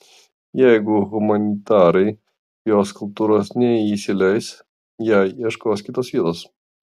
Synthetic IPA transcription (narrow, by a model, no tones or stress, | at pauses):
jɛɪɡʊɣʊmɐnʲɪt̪ɑːɾɐɪ | joːskʊlˠp̚t̪uːɾosnʲɛisʲɪlʲɛjs | jæiɛʃkoːskʲɪt̪osʋʲiːt̪oːs